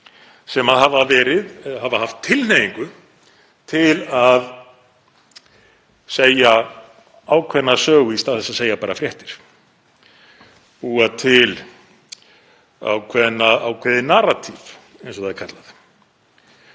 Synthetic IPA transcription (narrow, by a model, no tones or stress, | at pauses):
sɛmaðhavavɛːɾɪðhavahaft̪ʰːɪlnejiŋkʏ | t̪ʰɪlað | seːja | aːwkʰvɛnːasœːɣʏist̪aːðθɛsaðseːjapaːɾafɾjɛht̪ɪɾ̥ | ɔaðt̪ʰɪl | a̰wkʰvɛðnːaawkʰvɛðɪnarat̪ʰiv | ejns̬ɔθaðɛɾkʰat̪lað